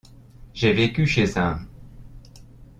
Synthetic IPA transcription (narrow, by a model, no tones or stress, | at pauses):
ʒevekʲyʃeza